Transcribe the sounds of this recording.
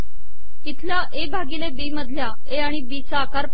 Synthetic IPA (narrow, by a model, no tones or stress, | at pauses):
it̪ʰljaʔebʱaɡiːlebiːməd̪ʱlja | eaɽ̃ibiːt͡saːkaɾp